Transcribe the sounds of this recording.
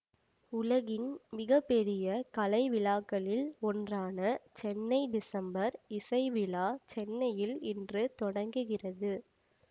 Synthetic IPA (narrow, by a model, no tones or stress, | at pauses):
ʊlɐɣɪnmɪɣɐpːɛɾɪjɐkɐlɐɪʋɪlaːkːɐɭɪlɔndraːnɐt͡ʃɛnːɐɪɖɪsɐmbɐɾɪsɐɪʋɪlaːt͡ʃɛnːɐjɪlɪndrɯt̪ɔɽɐŋɡɯɣɪrɐðɯ